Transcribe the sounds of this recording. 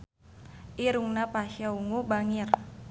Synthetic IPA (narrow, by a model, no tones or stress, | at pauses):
ʔiɾuŋnapaʃjauŋubaŋir